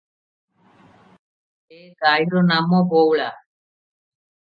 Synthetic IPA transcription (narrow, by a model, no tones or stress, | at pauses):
eːɡaːiɾoːnaːmoːboːwɭaː